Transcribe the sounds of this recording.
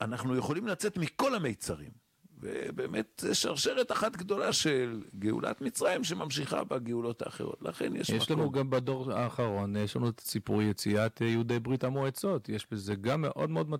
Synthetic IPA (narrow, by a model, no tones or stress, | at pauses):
anaχnujeχo̞limlat͡se̞t̪miko̞lamejt͡saʁḭm | vḛbemet̪zeʃaʁʃeʁet̪aχat̪ɡd̪o̞laʃelɡeṵlʔa̰t̪mit͡sʁajimʃ̬emamʃiχa̰baɡeulo̞t̪a̰ːχe̞̰ʁo̞̰t̪la̰χḛnjḛʃjɛʃlanuɡambado̞ʁa̰ːχaʁo̞njeʃlanutḁsipuʁjet͡siat̪jehudejbʁitamoet͡so̞tjeʃbeze̞ɡamːe̞ʔo̞dmeo̞d̪ma